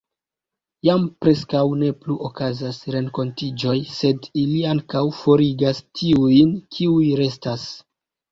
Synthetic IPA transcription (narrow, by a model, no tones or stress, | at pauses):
jampɾe̞skawne̞pluʔokazasɾe̞ŋko̞ntid͡ʒo̞jse̞diliaŋkawfo̞ɾiɡastʰiujnkʰiujɾe̞stas